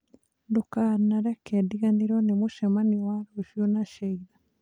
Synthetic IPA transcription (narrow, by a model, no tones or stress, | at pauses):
dukanaɾekediɣaniɾonemuʃemaniwaɾoʃjonaʃeiɾa